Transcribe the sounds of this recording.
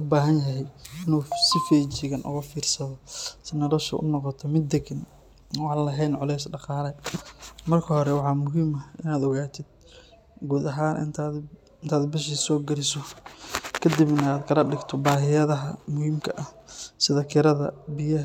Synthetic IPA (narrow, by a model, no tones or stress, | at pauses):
ʊbaːɦɐnjɐɦɛjɪnuːsɪfɛjt͡ʃɪɣɐnʔʊ̰ɣɐfiːrsɐðɔsɪnɔlɔʃɐ̰ʔʊ̰nɔqɔt̪ʰɔmɪd̪ːɛɡɪn | wɑːlɐɦɛjnʕʊlɛjsɖɑqɑːlɛ | mɐrkʰɐɦɔɾɛwɑħɑːmʊɦiːmɐhɪnaːd̪ɔɣaːt̪ʰɪd̪̚ | ɡuːd̪ɐɦaːnʔɪnt̪ʰː | ɪnt̪ʰaːd̪bɪʃ̬iːsɔːɡɐɾɪsɔ | kʰɐd̪ɪbnɐaːd̪kʰɐlɐɖɪɡt̪ʰɔbaːɦɪjɐðɐɦɐmʊɦiːmkʰɐ̰ʔɐhsɪðɐkʰɪɾɐðɐ̰bɪjɐ